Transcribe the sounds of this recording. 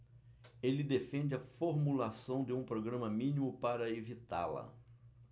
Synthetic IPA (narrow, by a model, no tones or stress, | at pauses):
elɪd̪efẽnd͡ʒɪɐfoɾmulasɐ̃w̃d̪ɪũpɾoɡɾɐ̃mɐmĩnimʊpaɾɐevit̪a̰lɐ̰